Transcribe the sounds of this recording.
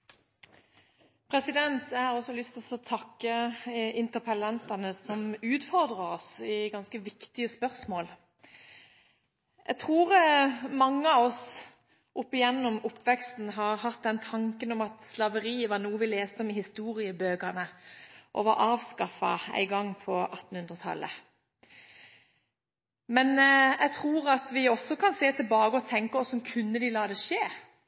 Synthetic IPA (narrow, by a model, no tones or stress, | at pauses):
pʰɾɛsɪd̪ɛnt̪jæhɑʁɔsːɔlʏst̪ɪlɔsɔt̪ʰɑkːəɪnt̪əʁpʰəlɛnt̪ɑnəsɔmʉːt̪fɔʁd̪ʁəɾɔsɪɡɑnskəʋɪkt̪ɪəspœʁsmoːl | jæɡt̪ʰʁuːʁmɑŋːəɑʋɔs | ʔɔpːɪjɛnːɔmʊpːʋɛkst̪n̩ɦɑːɾhɑt̪̚d̪ɛnt̪ʰɑŋkənɔmɑt̪slɑʋəɾiːəʋɑnuːəʋɪleːst̪əɔmɪhɪst̪uːɾɪəbøːɡənəʔɔ̰ʋɑɾʔɑːʋskɑfɑ̰æ̰ɪɡɑŋːpʰɔʔɑt̪ːn̩hʉnd̪ɾʁət̪ʰɑ̰lːə̰ | mɛnʔɛɡt̪ʰʁuːɾɑt̪ʋɪɔsːɔkʰɑnseːt̪ʰɪlbɑːɡəɔt̪ʰɛŋkəɔsːɔmkʰʉnːəd̪ɪlɑːd̪ɛʂeː